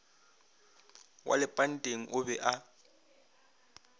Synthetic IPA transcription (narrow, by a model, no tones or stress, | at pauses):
wʔa̰lɪpʼan̩tʼeŋ̩ʔʊbɛʔa